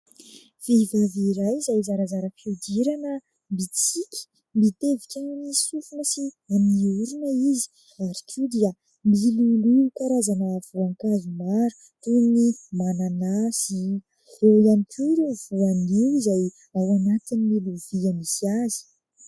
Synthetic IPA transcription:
v̥evaviːɾajizajzaɾazaɾəfid̪iɾanə | mbit͡sikʲi̥ | mbit̪evikʲannisufunəsiamiuɾunəizi̥ | aɾikʲʰud̪iə | miluluukaɾazanəv̥uaŋkazumaɾu̥ | t̪unimananasi | ewianikʰuɾuv̥uaniwizaj | awanat̪inimiluviamisiazi̥

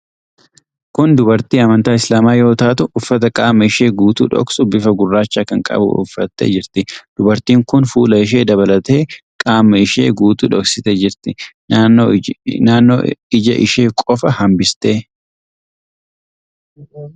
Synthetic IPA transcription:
kʊnd̪ʊbɐɾt̪iːɐmɐnt̪aːɪslaːmaːjo̞ːt̪aːt̪ʊːfːɐt̪ɐkʼaːmːɐɪʃe̞ːɡuːt̪ṵːᶑɔ̰ksʊbɪfɐɡʊrːaːt͡ʃːaːkɐŋkʼɐ̰bʊ̰ʔʊ̰fːɐt̪ːḛːd͡ʒɪɾt̪ɪd̪̥ʊbɐɾt̪iːŋkʊnfuːlɐɪʃ̬e̞ːd̪ɐβɐlɐt̪e̞ːkʼaːmːɐɪʃḛːɡuːt̪uːᶑɔksɪt̪ed͡ʒɪɾt̪ɪ | naːnːo̰ːɪd͡ʒɐ̰ʔɪ̰ʃe̞ːkʼɔfɐhɐmbɪst̪e̞ː

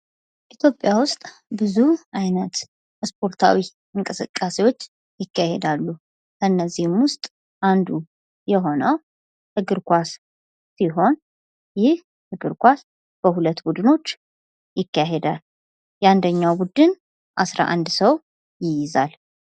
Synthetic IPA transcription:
ʔit̪ʰjo̞pʼːjawʊst̪ʼ | bɨzuʔajnət̪ | spʰo̞ɾt̪ʰa̰wi | ʔɨŋkʼɨsɨ̰kʼːasewo̞t͡ʃː | jɪkʰːahḛd̪alːu | kʰənːəzːihɨmwʊst̪ʼ | ʔand̪u | jɛɦo̞nəw | hɨɡɨɾkʷasː | iɦo̞n | jɪh | hɨɡɨɾkʷas | b̥əhulət̪ːbud̪ɨno̞t͡ʃː | jɪkːaɦed̪al | jɛand̪əɲːawbud̪ɨn | ʔasɾa̰ʔa̰nd̪səw | jɪjɪzal

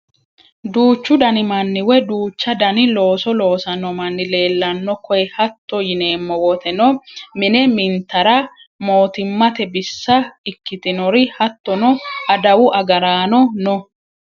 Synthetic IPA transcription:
d̪uːt͡ʃːʊd̪ɐnɪmɐnːɪwɛd̪uːt͡ʃːɐd̪ɐnɪlo̞ːsɔlo̞ːsɐnːɔmɐnːɪle̞ːlːɐnːɔkɔjɛhɐt̪ːɔjɪne̞ːmːɔwɔt̪ʰɛnɔmɪnɛmɪnt̪ɐɾɐ | mo̞ːt̪ɪmːɐt̪ɛbɪsːɐɪkːɪt̪ɪnɔɾɪhɐt̪ːɔnɔɐd̪ɐwʊʔɐɡɐɾaːnɔnɔ

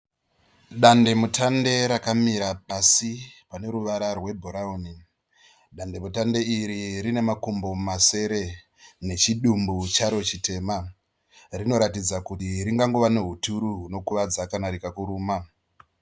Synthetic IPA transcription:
ɗande̞mutʰande̞ɾakamiɾapasipane̞ɾuʋaɾarwe̞bʱoɾaoːni | ɗande̞mutande̞iɾiɾine̞makumbo̞mase̞ɾe̞ | ne̞t͡ʃiɗumbut͡ʃaɾo̞t͡ʃite̞ːma | rino̞ɾatid͡zakutiɾiŋɡaŋɡoʋane̞ɦutuɾuɦuno̞kuʋad͡zakanaɾikakuɾuːma

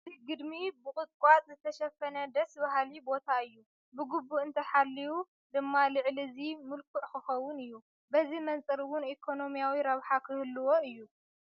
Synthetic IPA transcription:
ziɡɨd̪mibɨkʼɨt̪̚ʼkʷʼat̪ʼzɨt̪ʰɐʃɐfɐnɐd̪ɐsbaɦlibo̞t̪ʰaɨjːu | bɨɡubuʔɨnt̪ʰɐħalːiwu | d̪ɨmːalɨʕlizimɨlkʰuʔkʰɨxɐwːʊnɨjːu | bɐzimɐnt͡sʼɐɾwʊnikʰo̞no̞mijawiɾɐβħakʰɨhɨlːɨwo̞ʔɨjːu

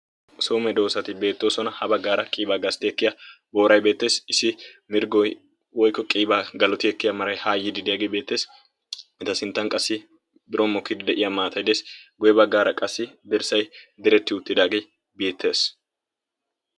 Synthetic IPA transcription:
soːmɛd̪o̞ːsɐt̪ɪbe̞ːt̪ːo̞ːsɔnɐhɐbɐɡːaːɾɐkʼiːbaɡɐst̪ɪɛkːɪja | bo̞ːɾɐjbe̞ːt̪ːe̞ːsɪsːɪmɪɾɡɔj | wɔjkːɔkʼiːbaɡɐlɔt̪ɪɛkːɪjamɐɾɐjhaːjːɪd̪ɪd̪ɪjaɡejbe̞ːt̪ːe̞ːs | ɪt̪ɐsɪnt̪ːɐŋkʼɐsːɪ | bɪɾʔɔmɔkːɪd̪ɪd̪ɛʔɪjamaːt̪ɐjd̪eːsɡɔjɛbɐɡːaːɾɐkʼɐsːɪd̪ɛɾsɐjd̪ɛɾɛt̪ːɪʊt̪ʼːɪd̪aːɡe̞j | be̞ːt̪ːe̞ːs

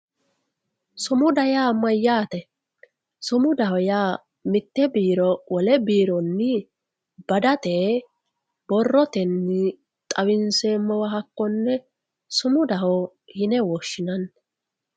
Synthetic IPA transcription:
sʊmʊd̪ɐjaːmɐjːaːt̪ɛ | sʊmʊd̪ɐhɔjaː | mɪt̪ːɛbiːɾɔwɔlɛbiːɾɔnːɪ | b̥ɐd̪ɐt̪eː | b̥ɔrːɔt̪ɛnːɪ | t̪ʼɐwɪnseːmːɔwɐɦɐkːɔnːɛ | sʊmʊd̪ɐɦɔ | hɪnɛwɔʃːɪnɐnː

